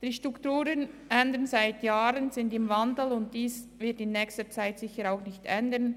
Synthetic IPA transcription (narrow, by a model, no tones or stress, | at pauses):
d̥iːʃtʁuktuːɾənʔɛndənzaɪtjaːɾənzɪndɪmvandl̩ʊnt̚d̥iːsvɪɐtɪnːɛːçstət͡saɪtsɪçəɾaʊxnɪçtʔɛndən